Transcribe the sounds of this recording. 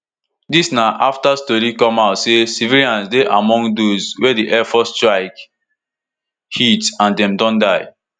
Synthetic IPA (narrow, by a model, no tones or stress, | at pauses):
disnaʔaftastɔɾikɔ̃maʊtsesiviliãnsdeʔamɔ̃ŋɡdozwɛdiʔɛfɔstɹaɪk | hitãndɛ̃mdɔ̃ndaɪ